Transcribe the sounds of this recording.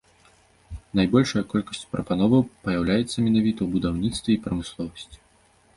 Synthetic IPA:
najbɔlʲʂɐjɐkɔlʲkɐsʲt͡sʲu̥pɾɐpanɔvɐwpɐjawlʲajɛt̪sːɐmʲɛnavʲit̪ɐwubud̪awnʲit̪st̪vʲɛipɾɐmɨslˠɔvɐsʲt͡sʲi̥

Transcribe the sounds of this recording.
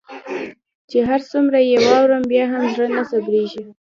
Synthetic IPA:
t͡ʃeɦaɾsumɾajawɑwɾəmbjɑɦamzɽənasabɾeʒi

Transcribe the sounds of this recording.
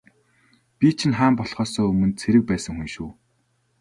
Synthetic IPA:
pʲit͡ɕʰɪ̆nχaːmpɔɮχɔːsɔːɵmɵ̆nt̪t͡sʰeɾɘ̆k̚pæːsə̆ŋxunʃuː

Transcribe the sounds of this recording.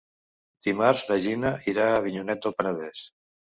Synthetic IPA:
d̪̥imaɾzlaʒinaiɾaːβ̞iɲunɛt̪̚əlˠpanaðɛs

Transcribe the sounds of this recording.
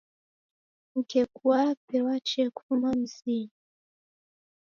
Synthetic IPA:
ŋ̩kekuwapewat͡ʃekʰumamsi

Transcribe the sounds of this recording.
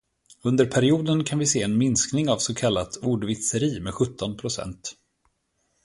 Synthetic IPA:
ɵnd̪əɾpʰæɾɪuːd̪ənkʰanvɪseːɛnmɪnsknɪŋavsɔkʰalːat̪uːɖvɪt̪səɾiːmɛɧɵt̪ʰːɔnpʰɾʊsɛ̰nt̪

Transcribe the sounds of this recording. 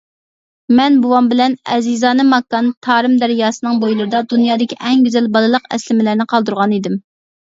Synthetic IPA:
mɛnbuwɑmbɪlɛnɛ̰zizɑːnɨmɑkːɑnt̪ʰɑːɾɨmd̪æɾjɑːsɨnɨŋbojlˠɨɾɨd̪ɑd̪unjɑːd̪ɪkʲʰiʔɛŋɡʲyzɛlbɑlˠɨlˠəqɛ̰slɪmɪlæɾnɪqʰɑlˠd̪uɾʁɑnid̪ɪm

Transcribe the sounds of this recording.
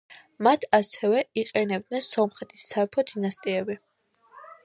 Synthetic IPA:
mat̪ʰasɛvɛiqʼɛnɛb̚d̪nɛnsɔmχɛt̪ʰi̥sːaɛpʰɔd̪inast̪ʼiɛbi

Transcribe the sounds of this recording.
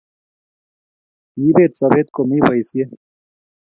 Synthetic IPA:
jibeːt̪sɐbeːt̪̚komiːpɐisie

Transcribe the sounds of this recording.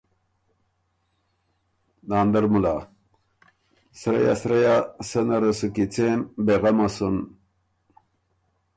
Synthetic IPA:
daːnd̪ɐɾmula | sɾḛja̰sɾejasenɐɾɐsukit͡sembeʁamasun

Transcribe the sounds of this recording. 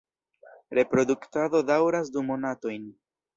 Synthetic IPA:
ɾe̞pɾo̞duktado̞dawɾasdumo̞nato̞jn

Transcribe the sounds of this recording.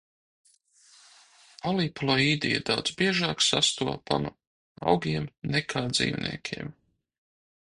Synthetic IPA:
aliplˠɔiːd̪ija̰d̪awd̪zbiɛʒaːksast̪uɔpa̰nu | a̰wɡʲiɛmnɛkʰaːd̪zḭːwnḭɛkʲʰiɛm

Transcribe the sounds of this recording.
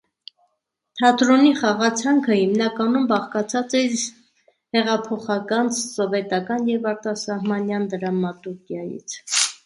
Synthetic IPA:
t̪ʰɑt̪ɾɔniχɑʁɑt͡sʰɑŋkʰəhimnɑkɑnumbɑχkɑt͡sʰɑt͡sɛ | hɛʁɑpʰɔχɑkɑnsɔvɛt̪ɑkɑnjɛvɑɾt̪ɑsɑhmɑnjɑnd̪əɾɑmɑt̪uɾkjɑjḭt͡sʰ

